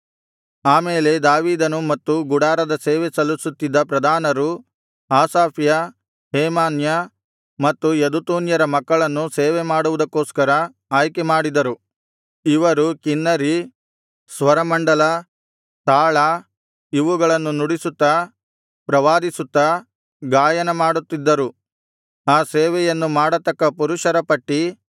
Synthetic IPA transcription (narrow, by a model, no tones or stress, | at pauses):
aːmeːle̞d̪aːʋiːd̪ɐnumɐt̪ːuɡuɽaːɾɐd̪ɐseːʋesɐlusut̪ːid̪ːɐpɾɐd̪ʱaːnɐɾu | aːsaːpjɐ | heːmaːnjɐ | mɐt̪ːujɐd̪ut̪uːnjɐɾɐmɐkːɐɭɐnːuseːʋemaːɽuʋud̪ɐkːo̞ːskɐɾɐ | aːjkemaːɽid̪ɐɾu | iʋɐɾukinːɐɾi | sʋɐɾɐmɐɳɖɐlɐ | t̪aːɭɐ | iʋuɡɐɭɐnːunuɽisut̪ːɐ | pɾɐʋaːd̪isut̪ːɐ | ɡaːjɐnɐmaːɽut̪ːid̪ːɐɾu | aːseːʋɛjɐnːumaːɽɐt̪ːɐkːɐpuɾuʃɐɾɐpɐʈːi